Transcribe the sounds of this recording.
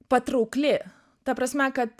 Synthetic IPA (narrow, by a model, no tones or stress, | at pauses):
pɐt̪ɾuːklʲɪ | t̪ɐpɾɐsʲmʲɛkɐt̪